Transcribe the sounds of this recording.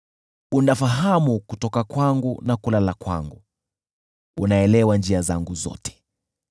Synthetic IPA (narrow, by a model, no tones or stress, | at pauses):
undafaɦamukutɔkakwaŋɡunakulalakwa̰ŋɡu | unaɛlɛwand͡ʒiaza̰ŋɡuzɔ̰tɛ̥